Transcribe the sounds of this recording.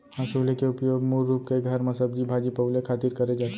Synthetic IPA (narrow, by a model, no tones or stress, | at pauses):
ɦãsuːlekeʊpjoːɡmuːɾːuːp̚keɡʱɐɾmɐsəb̚d͡ʒibʱaːd͡ʒipəʊlekʰaːt̪iɾkɐɾed͡ʒaːt̪